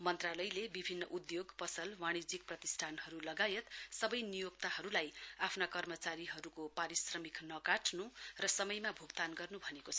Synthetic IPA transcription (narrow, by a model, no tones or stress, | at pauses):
mʌnt̪ralʌjlebibʱinːʌʔud̪joɡpʌsʌlmañid͡zik̚prʌt̪isʈʰanhʌɾulʌɡajet̪sʌbʌjnijok̚t̪ahʌɾulajapʰnakʌrmʌt͡saɾiɦʌɾukopaɾisrʌmiknʌkaʈʰnurʌsʌmʌjmabʱuɡt̪anɡʌrnubʱʌnekot͡sʰʌ